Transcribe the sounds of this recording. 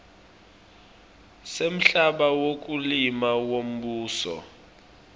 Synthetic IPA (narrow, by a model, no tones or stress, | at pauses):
sem̩ɬaɓawok̬ulimawom̩ɓuːsɔ̰